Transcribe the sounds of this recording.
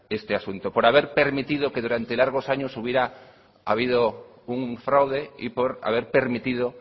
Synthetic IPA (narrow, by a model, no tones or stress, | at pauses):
est̪easunt̪opoɾaβeɾpeɾmit̪iðokeðuɾant̪elaɾɣ̞osaɲosuβjeɾa | a̰β̞ið̞o | uŋfɾawðeipoɾa̰β̞eɾpeɾmit̪ið̞o